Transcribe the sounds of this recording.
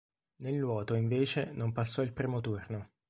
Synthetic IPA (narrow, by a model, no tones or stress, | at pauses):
nelːwɔːt̪oiɱveːt͡ʃenompasːɔilpɾiːmot̪urno